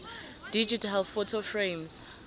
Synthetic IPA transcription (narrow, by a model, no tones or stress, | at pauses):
did͡ʒitalfɔtʰofɹẽms